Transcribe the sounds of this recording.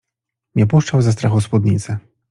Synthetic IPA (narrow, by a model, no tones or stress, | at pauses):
nʲɛpuʂt͡ʂawzast̪ɾaxɔspud̪̚nʲit̪sɛ